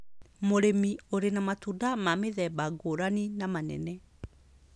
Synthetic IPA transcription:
moɾemioɾenamatuːndamameðɛbaɡoɾaninamanɛ̰nɛ

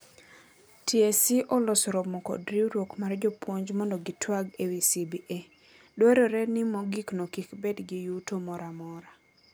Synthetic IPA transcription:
tjesiʔɔlɔsɾɔbmɔkɔ̰dɾiɾwokmard͡ʒɔpwoɲd͡ʒmɔndɔɡɪtwaɡewisibiʔe | dwɛɾɔɾɛnɪmɔɡiknokikbedɡɪjutomɔɾamɔɾa

